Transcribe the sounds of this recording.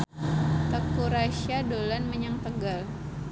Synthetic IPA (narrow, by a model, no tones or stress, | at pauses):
t̪əkuɾaʃiadolanməɲaŋt̪əɡal